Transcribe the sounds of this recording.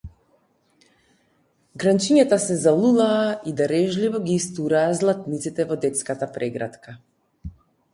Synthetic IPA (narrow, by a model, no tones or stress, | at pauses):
ɡɾant͡ʃiɲat̪asɛzalˠulˠaːid̪aɾɛʒlivɔɡiːst̪uɾaːzlˠat̪nit̪sit̪ɛvɔd̪ɛt̪skat̪apɾʔɛɡɾat̪ka